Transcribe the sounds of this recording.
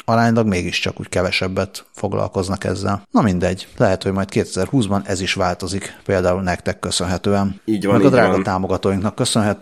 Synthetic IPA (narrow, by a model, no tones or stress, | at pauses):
ɒɾaːɲlɒɡmeːɡiʃt͡ʃɒ̰kṵːckɛvɛʃɛbːɛt̪fo̞ɡlɒ̰lko̞znɒkɛ̰zːɛ̰lnɒmind̪ɛɟːlɛɦɛt̪ho̞ɟmɒjt̪keːt̪ɛzɛrhuːzbɒnɛziʃʋaːlt̪o̞zikpeːld̪aːulnɛkt̪ɛkːøsø̞nɦɛt̪øːɛnimɛɡɒd̪ɾaːɡɒt̪aːmo̞ɡɒt̪oːjiŋknɒkːø̞sønɦɛt̪